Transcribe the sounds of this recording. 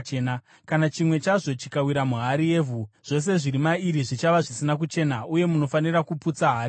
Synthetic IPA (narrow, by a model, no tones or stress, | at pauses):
ena | kanat͡ʃimwe̞t͡ʃaʐo̞t͡ʃikawiɾamuɦaɾie̞ːvʱuʐ̥o̞s̬e̞ʐiɾimaiɾiʐit͡ʃaʋaʐisinak̬ut͡ʃe̞ːnaʔuje̞muno̞fanirakuput͡saɦaːɾi